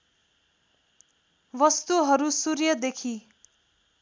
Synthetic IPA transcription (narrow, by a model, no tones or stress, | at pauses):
wʌst̪uɦʌɾusurjʌd̪ekʰi